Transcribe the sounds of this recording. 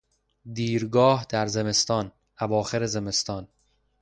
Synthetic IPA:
d̪iːɾɡɒːhd̪̥æɾze̞me̞st̪ɒːn | ʔævɒːxe̞ɾeze̞me̞st̪ɒːn

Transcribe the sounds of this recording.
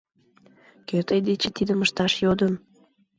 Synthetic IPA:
køt̪əjd̪et͡ɕet̪id̪əməʃt̪ɑʃjod̪əm

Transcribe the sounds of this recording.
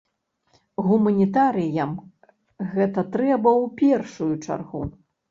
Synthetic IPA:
ɣumɐnʲit̪aɾɨjɐm | ɣɛt̪ɐt̪ɾɛbɐwpʲɛrʂujut͡ʂa̰rɣu

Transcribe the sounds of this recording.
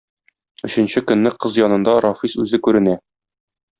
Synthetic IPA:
ɵ̆ɕɘ̆nɕɘkɵ̆nːɘqɤzjɒnɤ̆nd̪ɑɾɒfisʉzɘkʉɾɘ̆næ

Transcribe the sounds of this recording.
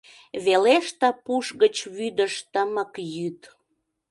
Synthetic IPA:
βeleʃt̪əpuʃɣət͡ɕβyd̪əʃt̪əməkjyt̪

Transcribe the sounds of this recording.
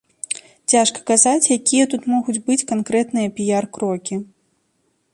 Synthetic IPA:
t͡sʲaʂkɐ̥kazat͡sʲjakʲijɐt̪ut̪mɔɣud͡zʲbɨt͡sʲkankɾɛt̪nɨjɐpʲijarkɾɔkʲi

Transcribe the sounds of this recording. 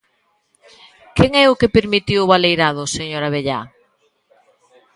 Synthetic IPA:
keŋɛʊkepeɾmit̪iwʊβalejɾaðʊseɲoɾaβ̞eʎa̰

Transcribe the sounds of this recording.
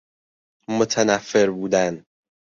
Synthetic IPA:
mot̪ʰænæfːeɾbuːd̪æn

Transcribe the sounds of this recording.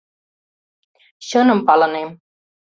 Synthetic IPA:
ɕənəmpalənem

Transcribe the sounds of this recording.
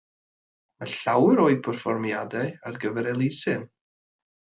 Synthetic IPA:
maɬawəɾoːɨpʰərfɔrmjadaɨarɡəvɛɾɛlˠɪsɨn

